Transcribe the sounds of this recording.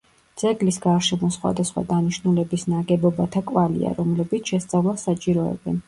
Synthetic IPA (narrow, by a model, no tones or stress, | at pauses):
d̪z̥ɛɡlisɡaɾʃɛmɔsχwa̰d̪asχwa̰d̪aniʃnulɛbisnaɡɛbɔbat̪ʰakʼvalḭa̰ɾɔmlɛbit̪sʰʃɛst̪sʼavlˠasat͡ʃʼiɾɔɛ̰bɛ̰n